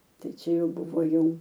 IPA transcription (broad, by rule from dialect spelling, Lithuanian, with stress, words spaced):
ˈtɐɪ ˈt͡ʃʲɛ ˈjɛʊ ˈbʊʋoː ˈjɛʊ